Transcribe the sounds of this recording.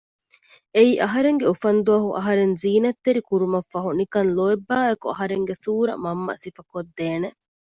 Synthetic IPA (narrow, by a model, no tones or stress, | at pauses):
eiːʔɐɦɐɾeŋɡeufɐnd̪uɐɦuʔɐ̰ɦɐɾenziːnɐt̪ːeɾikuɾumɐfːɐɦunikɐnloebːaːekuɐɦɐɾeŋɡesuːɾɐ̰mɐmːɐ̰sifɐkod̪ːeːne